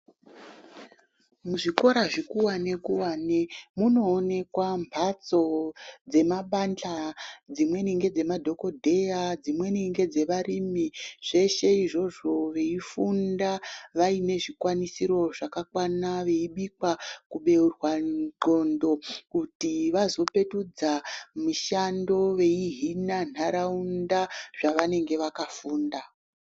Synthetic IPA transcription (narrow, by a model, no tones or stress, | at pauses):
muʐiko̞ɾaʐikuwane̞kuwaːnemuno̞ːne̞kwambʰʱat͡so̞d͡ze̞maɓand͡ɮad͡zimwe̞niŋɡe̞d͡ze̞madʱo̞ko̞dʱe̞jad͡zimwe̞niŋɡe̞d͡ze̞ʋarimiʐ̥e̞ʃe̞iʐo̞ʐo̞ʋe̞ifundaʋaine̞ʐikwanisiɾo̞ʐakakwanaʋe̞iɓikwakuɓe̞urwaǃo̞ndo̞kutiʋazo̞pe̞tud͡zamiʃando̞ʋe̞iɦinan̤aɾaundaʐ̥aʋane̞ŋɡe̞ʋakafuːnda